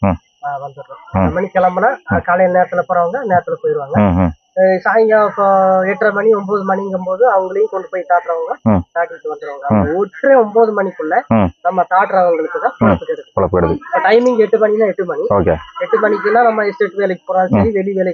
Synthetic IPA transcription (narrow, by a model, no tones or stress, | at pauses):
aːʋɐnd̪ɯʈːõːɐnd̪ɐmɐɳikɛlɐmbɐnãːkɐlɐjɐlneːɾɐt̪ːɪlɐpoːɾɐʋɐŋɡɐneːɾɐt̪ːɪlɐpoːjɪɾɯʋaːŋɡɐ | saːjŋɡaɛʈːrɐmɐniɔmboːðɯmɐnɪŋɡɯmpoːðɯɐʋɐŋɡɐɭɐjʊ̃kɔɳɖɯpoːjit̪aːʈɾɐʋɐŋɡɐt̪aːʈːɐɾɯʈːɯʋɐnd̪ɯɾaːŋɡɐɐɔʈːɾẽɔmboːðɯmɐnikːʊɭːɐnɐmːɐt̪aːʈɾɐʋɐŋɡɐɭɯkːɯt̪ːãːpɔɭɐpːɯkːɐɽɯkːpɔɭɐpːɯkɐɽɐðɯʈɐɪmɪŋɡɛʈːɯmɐɳinaːɛʈːɯmɐɳioːkḛːɛʈːɯmɐɳɪk̬ːɯnːaːnɐmːɐɪsʈeːʈːɯʋeːlɐkːɯpoːɾãːsɐɾiʋɛɭiʋeːlɐ